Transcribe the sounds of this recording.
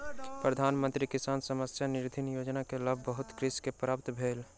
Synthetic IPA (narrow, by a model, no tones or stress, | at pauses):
pɾəd̪ʱaːnmə̃nt̪ɾikɪsaːnsəməsjanɪɾd̪ʱɪnjoːd͡ʒnakeləbʱbəɦʊt̪kɾɪskepɾaːpt̪bʱeːl